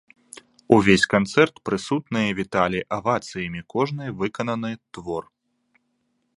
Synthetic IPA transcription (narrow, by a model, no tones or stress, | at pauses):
uvʲesʲkant̪sɛrt̪pɾɨsut̪̚nɨjɐvʲit̪alʲiʔɐvat̪sɨjɐmʲikɔʐnɨjvɨkɐnɐnɨt̪vɔr